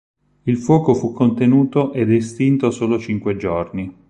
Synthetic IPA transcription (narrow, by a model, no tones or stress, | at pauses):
ilfwɔːkofukʰːont̪enuːt̪oʔed̪ɛst̪int̪osoːlot͡ʃiŋkwed͡ʒorni